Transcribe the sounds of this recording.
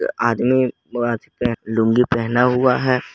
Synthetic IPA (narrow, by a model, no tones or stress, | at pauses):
aːd̪mibaːt̪ipɛɦlʊ̃ŋɡipɛɦnaɦʊaɦɛː